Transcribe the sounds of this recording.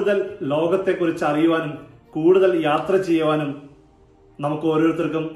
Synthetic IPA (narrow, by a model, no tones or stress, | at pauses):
uðɐllo̞ːɡɐt̪ːe̞kːurit͡ɕːɐrijuʋaːnum | kuːɽuðɐljaːt̪rɐt͡ɕe̞jːɐʋaːnum | nɐmukːɨo̞ːɾoːɾt̪ːirk̬ːum